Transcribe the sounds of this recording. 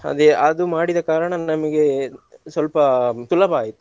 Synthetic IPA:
ɐ̰d̪eɐd̪umaːɽid̪ɐkaːɾɐɳɐnɐmɐɡe̞sʋɐlpɐt̪ulɐbɐaːjit̪ːu

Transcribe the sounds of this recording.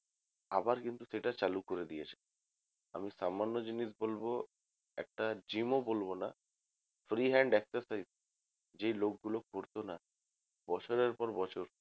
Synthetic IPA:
a̰baɾkint̪useʈat͡ɕalukoɾed̪ijet͡ɕʰe̥ | a̰misamanːod͡ʑiniʃbolbo | ɛ̰k̚ʈad͡ʑimobolbona | fɾiɦɛɳɖɛksaɾsajz | d͡ʑejlok̚ɡulokkoɾt̪ona | bɔt͡ɕʰoɾeɾpɔɾbɔt͡ɕʰoɾ

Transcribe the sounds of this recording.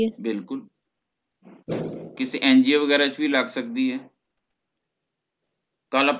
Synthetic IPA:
bɪlkʊl | kɪseʔɛːnd͡ʒiːoːʋəɡɛːɾat͡ʃbiːləɡsəkd̪iːɦɛː | kələp

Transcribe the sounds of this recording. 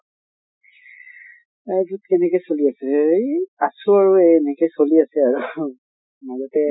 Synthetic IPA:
ajɡutkɛnɛkɔjsoliasɛjasuaɹuenɛkɔjsoliasɛaɹu | mazɔtɛ

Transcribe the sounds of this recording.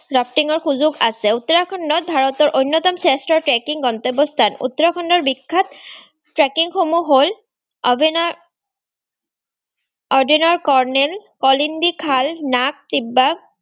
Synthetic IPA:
ɹapʰtiŋɔɹxuzuɡasɛut̪ːɔɹakʰɔndɔt̪̚bʱaɹɔt̪ɔɹʔojnːɔt̪ɔmsɛstɹɔɹtɹɛkiŋɡɔnt̪ɔbɔst̪ʰanṵt̪ːɔɹakʰɔndɔɹbikʰːat̪ | tɹɛkiŋxomuɦol | bn | ɔɹdinɔɹkɔɹnɛlkɔlindikʰalnak̚t̪ibːa

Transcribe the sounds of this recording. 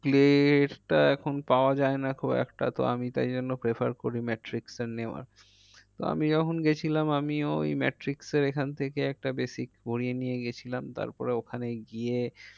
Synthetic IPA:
pleeʈʈaɛkʰonpaoad͡ʑaenakʰubɛ̰kʈa̰t̪o̰a̰mit̪a̰jd͡ʑonːopɾepʰa̰ɾkoɾimɛʈɾikseɾneoa̰ɾ | t̪oa̰mid͡ʑɔkʰonɡet͡ɕʰilamamiojmɛ̰ʈɾikseɾekʰant̪ʰekeɛk̚ʈabesikbʱoɽienijeɡet͡ɕʰilamt̪a̰ɾpɔ̰ɾeokʰaneɡie

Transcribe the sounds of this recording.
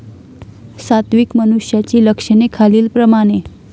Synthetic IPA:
sat̪ʋikmənuʂjat͡ɕiːləkʂənekʰaliːlpɾəmaɽ̃e

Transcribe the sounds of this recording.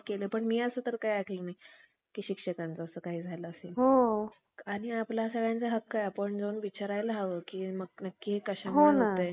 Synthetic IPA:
kelepəɳmiːəsəːt̪əɾkajakʰelnaɦi | kiːɕikʂəkãnt͡səːsəːkaɦiːd͡zʱajləəseɦo | aɽ̃iaplasəɡɭjãnt͡səɦəkːajapəɳd͡zeunʋit͡ɕaɾajlaɦaʋəːkiːməɡnəkːiɦekəɕamɦonəat̪əj

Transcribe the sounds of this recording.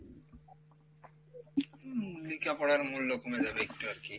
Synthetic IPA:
likapɔɽaɾmulːokomed͡ʑabeekʈuaɾki

